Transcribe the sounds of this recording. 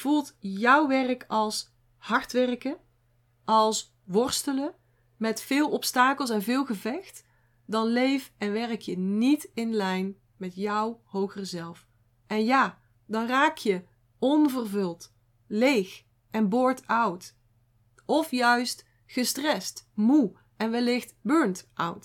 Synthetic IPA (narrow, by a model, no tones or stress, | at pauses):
v̥ulˠtjɔwʋɛrkɑlˠs | hɑɹtʋɛrkə | ʔɑlˠs | ʋɔɹstələ | mɛtfɪːlˠɔpstaːkəlˠs̬ɛnvɪːlˠɣəvɛxt | dɑnlejfɛnʋɛrkjənitɪnlɛjn | mɛtjɔwhowɣərzɛlˠf | ʔɛnjaː | dɑnraːkʰjə | ɔnvərvɵlˠt | lejx | ɛnbɔɹtʰʌwt | ɔfjœɥst | χəstrɛstmu | ɛnʋɛlɪxtbøɹntʔʌ̰wt